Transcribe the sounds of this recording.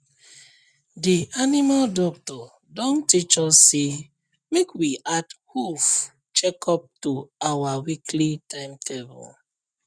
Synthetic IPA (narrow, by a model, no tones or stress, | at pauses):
dianimaldɔk̚tɔ | dɔ̃ntit͡ʃɔsːe | mekwiʔadhuf | t͡ʃɛkʰɔp̚tuawawikʰlitʰãɪ̃mtʰɛbṵl